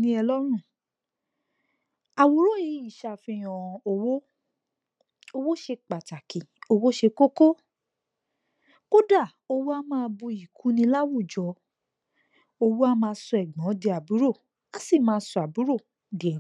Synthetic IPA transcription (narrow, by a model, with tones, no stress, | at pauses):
nĩ˦ɛ˧lɔ˦ɾ̃ũ˦˨ | a˨wo˨˦ɾo˦˨ji˨˦i˨ʃa˧fĩ˧j̃ɔ̃˨o˧wo˦ | o˧wo˦ʃe˧k͡pa˨ta˨ki˨o˧wo˦ʃe˧ko˦ko˦ | ko˦da˦˨ | o˧wo˦a˦mãː˧bu˧i˨kʰũ˨˦nĩ˧la˦wu˦˨d͡ʒɔ˨˦ | o˧wo˦a˦mãː˧sɔ˧ɛ˨ɡ͡bɔ̃˨˦de˧a˨bu˨˦ɾo˦˨ | a˦si˦˨mãː˧˦sɔ˧a˨bu˨˦ɾo˦˨ | di˨˦ɛ˨